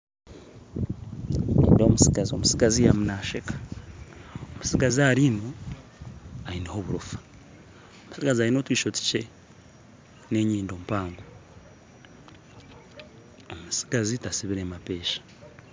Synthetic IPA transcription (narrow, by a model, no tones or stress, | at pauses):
ɲḭːndomusiɡazio̰musiɡazijamunaʃekḁ | omusiɡaziaɾino̞ | ainiho̞βuɾufḁ | omu̥siɡaziaino̞ːtwiːʃoti̥ce | ne̞ɲiːndo̞ːmpaːŋɡo | omusi̥ɡazitasiβiɾemapeːʃḁ